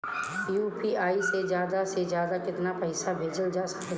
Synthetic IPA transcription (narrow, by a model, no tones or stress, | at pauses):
juːpiːaːisezjaːd̪ased͡ʒjaːd̪akɪt̪napɐɪsabʱeːd͡ʒəld͡ʒaːsɐ̥k